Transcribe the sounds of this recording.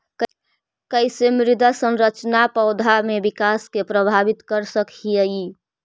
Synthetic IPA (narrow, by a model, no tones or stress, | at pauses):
kəisemɾɪd̪ʱasə̃nɾət͡ʃnapəʊd̪ʱamebikaskepɾəbʱabit̪kəɾsəkʰiəi